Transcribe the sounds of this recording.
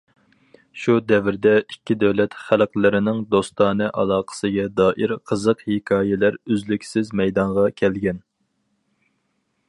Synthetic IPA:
ʃud̪ɛvɪɾd̪ɛikʲːid̪æwlɛt̪χælqlɪɾɪnɪŋd̪ost̪ɑːnɨʔɑlˠɑːqʰə̥sɨɡʲɛd̪ɑːʔiɾqʰəzəqhekʰɑːjɛlæɾøzlykʲsɪzmɛjd̪ɑɴʁɑkʲʰɛlɡʲɛn

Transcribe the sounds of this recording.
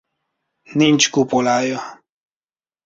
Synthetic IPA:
nint͡ʃkupolaja

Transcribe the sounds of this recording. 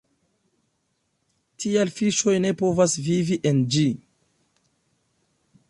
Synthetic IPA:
tʰialfiʃo̞jne̞po̞vasviviʔend͡ʒi

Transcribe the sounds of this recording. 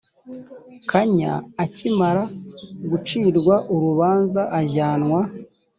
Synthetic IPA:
kʰaɲa̰ːcimaɾaɡut͡ʃiːɾɡwaʔuɾuβaːnzaʔaʒaːnŋwa

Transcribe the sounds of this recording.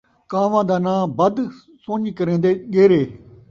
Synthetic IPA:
kaːʋãːd̪aːnãːbəd̪ | sõːɲikəɾẽːnd̪eːɠeːɾeː

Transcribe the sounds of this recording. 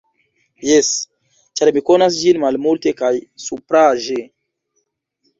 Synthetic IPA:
jɛs | t͡ʃaɾmikonas̬d͡ʒinmalmultekajsupɾaʒe

